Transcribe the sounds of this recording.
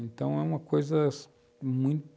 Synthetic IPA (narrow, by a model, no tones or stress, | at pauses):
ẽnt̪ɐ̃w̃ɛũmɐkojzɐ | mũj̃t̪